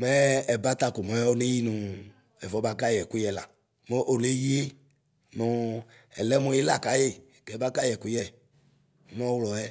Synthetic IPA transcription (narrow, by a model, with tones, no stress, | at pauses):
mɛ˦ɛ˨ba˦t̪a˨ku˨mɔ˨jɛ˦o˦ne˦ji˦nũ˨ | ɛ˨vɔ˨˦ba˦ɡa˦jɛ˨ku˦jɛ˨la̰˨ | mo˦ʔo˨le˦ji˦e˦ | nɔ̃˨ | ɛ̰˨lɛ˦mõ˨˦i˦la˨ka˨je˦˨ɡɛ˨˦ba˦ɡa˦jɛ˨ku˦jɛ˦˨˦ | m˦ɔ̃˦wlɔ˨ɛ˦